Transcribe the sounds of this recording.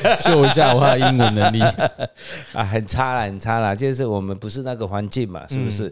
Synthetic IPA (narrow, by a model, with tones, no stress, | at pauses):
ɕjo˥˧ʊi˦ɕ̬ja˥˨ɔ˨˦xa˥˧˩i˦ŋwə˨˦nə˨˦li˥˨ | ʔa˨˩xə˨˩nt͡sʰa˦˥lə˨hə˨˩nt͡sʰa˦la˨t͡ɕɛ˥ʂ̬̩˥˩wɔ˨˩mə˨˦npu˨˦ʂɻ̩˥˧na˥˩ɡə˨xwa˧˦nt͡ɕi˥˨˩nma̰˨˩ʂɻ̩˥˩bu˨˩ʂɻ̩˥˩